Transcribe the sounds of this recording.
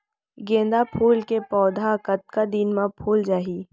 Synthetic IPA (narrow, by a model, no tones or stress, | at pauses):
ɡẽːnd̪apʰuːlkepɔːd̪ʱakət̪̚kad̪inmãpʰuːld͡ʒaːɦi